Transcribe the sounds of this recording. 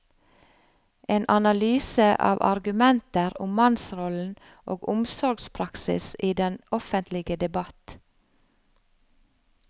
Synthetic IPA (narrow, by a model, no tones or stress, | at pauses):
ʔeːnʔɑnɑlyːsəʔɑ̰ːʋʔɑ̰ɾɡʉmɛnt̪əɾʊmmɑnsʁɔln̩ | ʔoːɡʊmsɔɾɡspʰɾɑksɪ̰siːd̪ɛnɔfənt̪ʰlɪɡəd̪ɛbɑt̪